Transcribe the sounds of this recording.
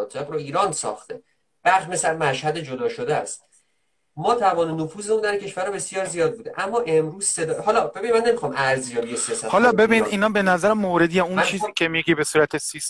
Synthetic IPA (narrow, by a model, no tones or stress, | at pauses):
t̪ʰe̞ɡɾoiːɾɒːnsɒ̰ːxt̪e | b̥æʁʃmesæɾmæʃhæd̪e̞d͡ʒod̪ɒːʃod̪eæ̰st̪ | mɒːt̪ʰævɒːnenofuːzeund̪æɾiŋcʰeʃvæɾɒbe̞sijɒːɾzijɒːd̪̚buːd̪ḛʔæmːɒːʔe̞mɾuːz̥se̞d̪ɒhɒːlɒbe̞binimænːemixɒmʔæɾzijɒːbijesijɒːsæt̪hɒlɒbe̞binid̪iːnɒːbenæzæɾæmːoɾed̪ijæunt͡ʃʰiːzikʰʲemiɡiːbesuːɾæt̪ʰesis